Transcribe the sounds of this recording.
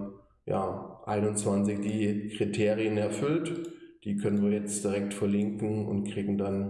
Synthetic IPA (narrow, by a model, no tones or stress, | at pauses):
ja̰ːʔaɪnʊnt͡sv̥ant͡sɪçɡeːkʁ̥itʰeːʁiənɛɐfʏltd̥iːkʰœnənviːɐjɛt͡std̥iʁɛk̚tfɛɐlɪŋkŋ̩ʊ̰ntkʁ̥iːɡŋ̩dan